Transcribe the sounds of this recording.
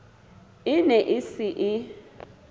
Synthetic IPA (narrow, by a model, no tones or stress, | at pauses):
ɪnɛʔɪsɪʔɪ